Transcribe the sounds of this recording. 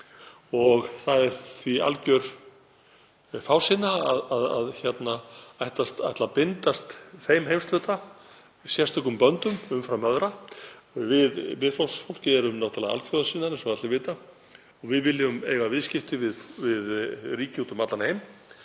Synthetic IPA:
ɔɣθaðɛɾ̥θvia̰lcœɾ̥ | faːwsɪnːaaðaða̰ðçɛt̪naajht̪ast̪a̰jht̪lapɪnt̪ast̪θejmɦejmst̪œːt̪a | sjɛrst̪ʰɔkʏmpœnt̪ʏmʏmfɾawmœðɾa | vɪðvɪðflɔlsfol̥cɪɛɾʏmnawht̪ʰalaa̰lfjɔðasɪnːanɪsɔmat̪lɪvɪːt̪a | ɔɣvɪðvɪlːɪʏmejvavɪðscɪft̪ɪvɪðvɪðriːcɪhuːt̪ʏmat̪lanhejm

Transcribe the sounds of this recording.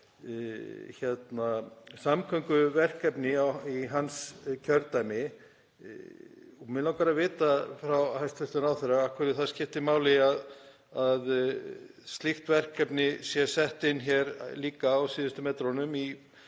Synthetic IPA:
çjɛt̪nasamkʰœŋkʏvɛr̥kɛpnɪawiɦanscʰœɾt̪ajmɪ | ɔmɪlawkaɾavɪːt̪afɾawhajst̪ɛst̪ʏnaːwθɛɾaakʰvɛɾɪθaðscɪft̪ɪmaːwlɪað | að | st̪lɪxt̪vɛr̥kɛpnɪsjɛsɛht̪ɪnːçɛɾliːkaːwsiːðʏst̪ʏmɛt̪ɾɔnʏmi

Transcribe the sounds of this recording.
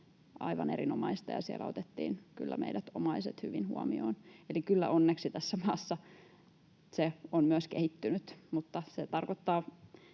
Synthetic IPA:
ɑ̰iʋɑnḛrinomɑist̪ɑjɑ̰siḛlæot̪et̪ːḭːnkylːæ̰meidæt̪omɑiset̪hyʋinhṵɑmioːnelikylːæ̰ʔonːeksit̪æsːæmɑːsːɑ | seonmyøskehit̪ːynyt̪mut̪ːɑset̪ɑrkot̪ːɑː

